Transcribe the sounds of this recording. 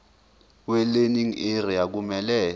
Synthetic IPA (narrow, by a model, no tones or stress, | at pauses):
wɛleniŋerijak̬umɛlɛː